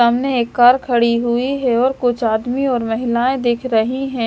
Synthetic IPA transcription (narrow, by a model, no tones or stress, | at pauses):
aːmneeːkːaːɾkʰɐɽiɦʊiɦɛɔːɾkʊt͡ʃʰaːd̪miɔːɾmɐɦɪlaːẽd̪eːkʰɾɐɦiɦɛ̃ː